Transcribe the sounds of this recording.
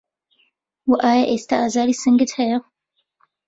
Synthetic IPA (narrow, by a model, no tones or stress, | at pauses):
wəʔajaʔest̪aʔazalisəŋɡətʰɛj